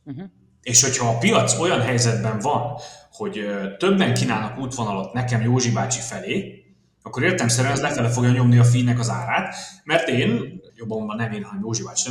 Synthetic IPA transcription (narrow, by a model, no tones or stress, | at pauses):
eːʃho̞chɒːpijɒt̪so̞jɒnɦɛjzɛd̪bɛɱvɒnho̞ɟøt̪ø̞bːɛŋkiːnaːlnɒkuːt̪ʋo̞nɒlot̪nɛkɛmjoːʒibaːt͡ʃifɛleː | ɒkːo̞ɾeːrt̪ɛlɛmsɛɾynɛzlɛfɛlɛf̬o̞ɡjɒɲo̞mniɒfiːnɛkɒzaːɾaːt̪mɛrt̪eːnjo̞bːomɒnɛmeːnɦɒnɛmjoːʒibaːt͡ʃnɛ